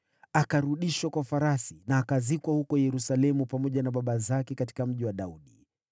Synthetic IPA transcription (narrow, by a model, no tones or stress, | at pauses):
akaɾuɗiʃwakwafaɾasinaːkazikwahukɔjɛɾusalɛmupamɔʄanaɓaɓazakɛkati̥kam̩ʄiwaɗauɗi